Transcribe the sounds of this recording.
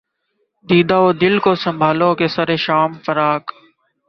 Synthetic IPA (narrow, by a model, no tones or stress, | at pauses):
d̪iːd̪aːoːd̪ɪlkoːsəmbʱaːlõːkeːsəɾeːʃaːmfəɾaːk